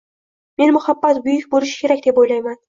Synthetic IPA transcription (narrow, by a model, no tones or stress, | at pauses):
me̞nmʊhabːat̪bʊjʊkʲbolɪʃɪ̥kʲʰe̞ɾakʲd̪e̞pojlajman